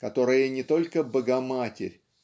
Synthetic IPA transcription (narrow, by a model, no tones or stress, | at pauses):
kɐt̪o̞ɾəjənʲɪt̪o̞lʲkəbəɡɐmatʲɪ̰ɾʲ